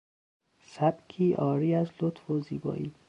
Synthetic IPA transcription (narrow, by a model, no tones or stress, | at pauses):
sæbkʰiːʔɒːɾiːæzlot̪foziːbɒ̰ːʔiː